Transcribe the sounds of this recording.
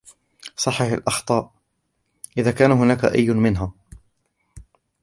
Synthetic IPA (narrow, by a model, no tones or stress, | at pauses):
sˤɑħːafa̰lʔɑxt̪ˤɑːʔ | ʔɪðaːkaːnaɦʊnaːka̰ʔa̰jːʊnmɪnɦaː